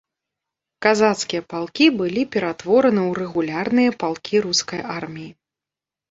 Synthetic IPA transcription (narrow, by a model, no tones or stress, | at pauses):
kazat̪skʲijɐpalˠkʲibɨlʲipʲɛɾat̪vɔɾɐnɨwɾɛɣulʲarnɨjɐpalˠkʲiɾuskɐjarmʲiji